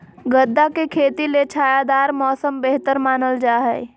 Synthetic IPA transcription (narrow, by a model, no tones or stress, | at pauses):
ɡəd̪ːakekʰeːt̪ilet͡ʃʰaːjad̪aːɾmɔːsəmbeɦt̪əɾmaːnəld͡ʒaːɦɛ̰ː